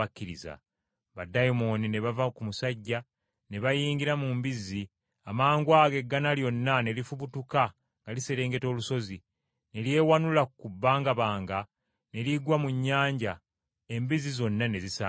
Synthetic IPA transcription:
akːiɾiza̰ | βadajimo̞nine̞βavakumusaɟːa | ne̞βajiːŋɡiɾamumbizi | amaːŋɡwaːɡe̞ɡːanaljo̞nːane̞lifuβutuka | ŋɡaliseɾe̞ːŋɡe̞to̞ːluso̞zi | ne̞lje̞ːwanulakubːaːŋɡaβaːŋɡa | ne̞liɡwamuɲːaːɲɟa | e̞mbizizo̞nːane̞zisa

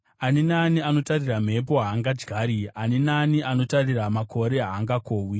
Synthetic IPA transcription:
aninaniano̞tariram̤e̞p̬o̞ɦaːŋɡad͡ʒɡʱaːɾianinaniʔano̞tariramako̞ɾe̞ɦaːŋɡakoːwi

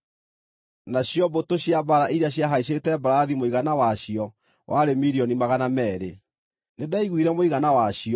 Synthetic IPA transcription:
naɕjɔbotoɕjabaɾaʔiɾaɕ̬jaɦaiɕ̬etɛbaɾaðimoiɣanawaɕiɔ | wʔaɾemiɾiɔnimaɣanamɛːɾḛ | nedaiɣwiɾɛmoiɣanawaɕiɔ

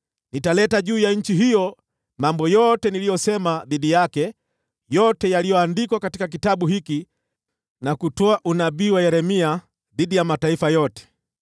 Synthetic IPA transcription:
nitalɛtaʄuːjaɲ̩t͡ʃiɦijɔ | mambɔjɔtɛnilijɔsɛmaðiɗijakɛ | jɔtɛjalijɔandikwakatikak̬itaɓuhiki | nakutɔaʔunaɓiːwajɛɾɛmia | ðiɗijamataifajɔtɛ̥

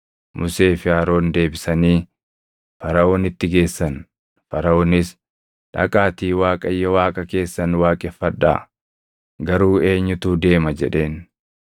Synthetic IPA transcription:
mʔʊse̞ːfɪaːɾo̞ːnd̪e̞ːbɪsɐniː | fɐɾɐo̞ːnɪt̪ːɪɡe̞ːsːɐn | fɐɾɐoːnɪs | ᶑɐ̰kʼaːt̪iːwaːkʼɐjːɐwaːkʼɐke̞ːsːɐnwaːkʼɛfːɐᶑːa̰ː | ɡɐɾuːe̞ːɲːʊt̪uːd̪e̞ːmɐd͡ʒɛᶑe̞ːn

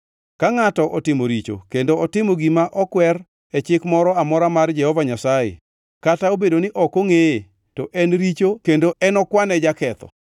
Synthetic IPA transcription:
kaŋatɔʔɔtɪmoɾit͡ʃo̰kendoɔtɪmoɡimaʔɔkwɛr | ɛt͡ʃɪkmɔɾɔamɔɾamard͡ʒɛhɔvaɲasajḛ | kataobedonɪʔɔkoŋeje | tɔʔɛnɾit͡ʃokendoɛnɔkwanɛd͡ʒakɛt̪ɔ̰

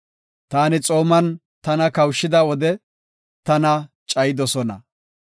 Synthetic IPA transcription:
t̪aːnɪt͡sʼo̞ːmɐn | t̪ɐnɐkɐwʃːɪd̪ɐwɔd̪ɛ | t̪ɐnɐt͡ʃʼɐjɪd̪ɔsɔnɐ̰

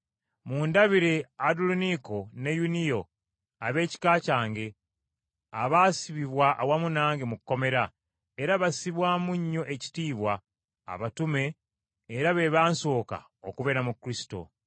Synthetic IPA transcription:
muːndaβiɾeaduluniko̞ne̞junijo̞ | aβe̞ːci̥kaːcaːŋɡe̞ | aβaːsiβiβwaʔːwamunaːŋɡemukːo̞me̞ɾa | eɾaβasiβwaːmuɲːo̞ʔeci̥tiːβwa̰ː | βatume̞ː | ɾaβe̞βaːnso̞ːka̰ | okuβe̞ɾamukːɾisi̥to̞̰

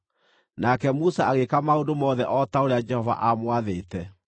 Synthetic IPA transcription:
nakɛmusaaɣekamaondomɔðɛʔɔtaoɾead͡ʒɛhɔva̰ʔamwaðeːtɛ

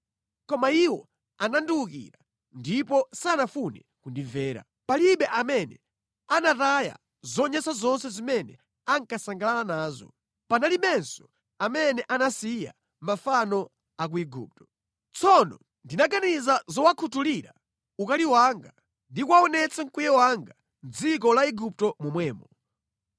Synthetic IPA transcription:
kɔmaiwɔ | anandiukḭɾa | ndipɔsanafunɛ̰ | kundivɛːɾa̰ | paliɓɛʔamɛnɛ | anataja̰ | zɔɲɛsazɔnsɛzimɛnɛ̰ | aŋkasaŋɡalalanaːzɔ̰ | panaliɓɛnsɔ̥ | amɛnɛʔanasija̰ | mafanɔ | ak̬uiɡṵːp̚tɔ̥ | t͡sʰɔnɔ̰ | ndinaɡanizazɔwakʰutuliɾa | ukaliwaŋɡa | ndikwaɔnɛt͡sʰaŋ̩kujɛwaŋɡa | n̩d͡zik̬ɔlaiɡup̚tɔmumwɛːmɔ

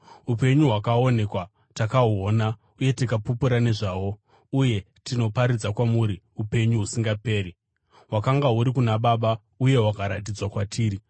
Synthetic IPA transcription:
upe̞ɲuɦwakao̞ne̞kwa | takauoːna | uje̞tikapupuɾane̞ʐaːwo̞ | uje̞ | tino̞paɾid͡zakwamuɾi | upe̞ɲuɦusiŋɡape̞ːɾi | ɦwakaŋɡaɦuɾikunaɓaːɓa | uje̞ɦwakaɾat̬id͡zwakwatʰiːɾi

